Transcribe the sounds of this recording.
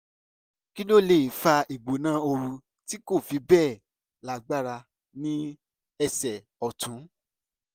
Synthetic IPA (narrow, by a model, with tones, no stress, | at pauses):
ki˦lo˦˨le˨i˨fa˧i˨ɡ͡bo˨nãː˦o˧ɾu˧ | ti˦ko˦˨fi˨˦bɛː˦˨ | la˨ɡ͡ba˦ɾa˧ | nĩ˦ | ɛ˧sɛ˨ | ɔ˨tũ˨˦